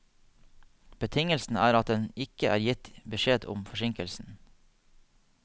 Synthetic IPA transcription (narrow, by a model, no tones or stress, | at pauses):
b̥ət̪ʰɪŋəlsn̩æːɾɑt̪̚d̪ɛnɪkəʔæ̰ːɾjɪt̪bəʃeːd̪ʊ̰mfɔʃɪŋkəlsn̩